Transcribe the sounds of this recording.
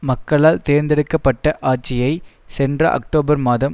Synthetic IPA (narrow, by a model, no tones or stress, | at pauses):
mɐkːɐɭaːlt̪eːɾnd̪ɛɽɯkːɐpːɐʈːɐʔaːʈ̚t͡ʃɪjɐɪsɛndrɐ̰ʔɐ̰k̚ʈoːbɐɾmaːðɐm